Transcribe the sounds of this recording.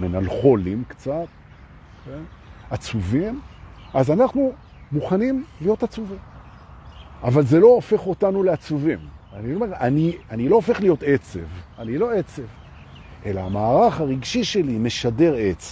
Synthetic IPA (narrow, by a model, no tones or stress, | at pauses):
menalχo̞limkt͡sat̪̚ | okʰenat͡suvim | azanaχnu | muχanimlijo̞tat͡suvim | avalze̞lo̞ːfe̞χo̞tanuleat͡suvimaniome̞ʁanianilo̞oːfe̞χlijo̞te̞t͡se̞vanilo̞et͡se̞v | e̞laamaːʁaχaʁiɡʃiʃe̞lime̞ʃade̞ʁet͡se